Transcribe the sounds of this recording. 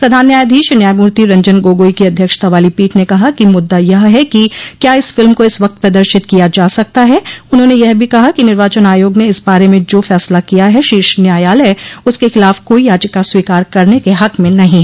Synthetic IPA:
pɾɐd̪ʱaːnːjaːjd̪ʱiːʃnjaːjmuːɾt̪iɾɐ̃ɲd͡ʒənɡoːɡoːikiɐd̪ʱjəkʃt̪aʋaːlipiːʈnekɐɦakimʊd̪ːajɐɦɦɛkikjaːɪsfɪlmkoɪsʋɐk̚t̪̚pɾɐd̪əɾʃɪt̪kijad͡ʒaːsɐk̚t̪aɦɛʊnɦõːnejɛɦbʱikɐɦakinɪɾʋaːt͡ʃənaːjoːɡneɪsbaːɾemẽd͡ʒoːfɛːslakijaɦɛʃiːʃnjaːjaːlɦɛʊskexɪlaːfkoːijaːd͡ʒəkːaswiːkaːɾkɐɾnekeɦɐkmẽnɐɦĩ

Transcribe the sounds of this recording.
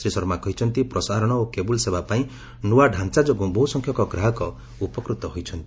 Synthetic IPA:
sɾisɔɾmakɔɦit͡ʃʰɔnt̪ipɾɔsaɾɔɽ̃ɔokebulsebapaĩ | nuwaɖʱant͡ʃad͡ʒɔɡubʱousɔŋkʰjɔkɔɡɾaɦɔkɔ | upɔkɾut̪ɔɦojt͡ʃʰɔnt̪i̥

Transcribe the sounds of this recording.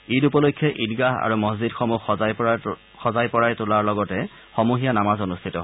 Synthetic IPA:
idupɔlojkʰːjɔʔidɡaɦa̰ɹumɔzzidxɔmux | xɔzajpɔɹajtʊlaɹlɔɡɔtɛ | xɔmuɦijanamazɔnustʰitɔɦ

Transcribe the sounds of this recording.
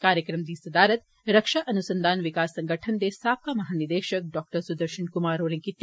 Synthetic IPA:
kaːɾjəkɾɐmd̪iːsɐd̪aːɾɐt̪ | ɾɐkʃaʔɐnusɐnd̪ʱaːnʋikaːsːɐ̃ŋɡʱəʈʰɐnd̪eːsaːp̚kaːmɐɦaːniɾd̪eːʃɐk̚ɖɔːk̚ʈəɾsud̪ɐɾʃɐnkumaːɾoːɾĩŋkit̪ː

